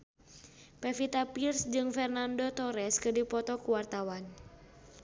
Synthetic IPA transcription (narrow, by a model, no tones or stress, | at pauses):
pɛfit̪apirsd͡ʒɨŋfɛrnandot̪ɔɾɛskɨdipɔt̪ɔkuwart̪awan